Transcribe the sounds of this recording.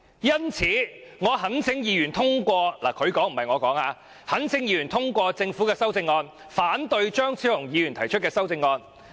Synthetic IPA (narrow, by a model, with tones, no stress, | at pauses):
jɐ˥nt͡sʰiː˨˥ŋɔː˨˧ɦɐ˨˥nsʰɪ˨˥ŋjiː˨˧jyː˨˩nt̪ʰʊ˥ŋkʷɔː˧la̰ː˨˩kʰɵ˨˧ɥkɔː˨˥ŋm̩˨˩hɐ˨jŋɔː˨˧kɔː˨˥ŋaː˨˧ | hɐ˨˥nsʰɪ˨˥ŋjiː˧jyː˨˩nt̪ʰʊ˥ŋkʷɔː˧t͡sɪ˧ŋfuː˨˥kɛː˧sɐ˥wt͡sɪ˧ŋːɔː˧n | faː˨˥nt̪ɵ˧ɥt͡ʃœː˥ŋt͡sʰiː˧˥whʊ˨˩ŋjiː˨˧jɥy˨˩nt̪ʰɐ˨˩jt͡ʃʰɵ˥t̚kɛː˧sɐ˥wt͡sɪ˧ŋːɔː˧n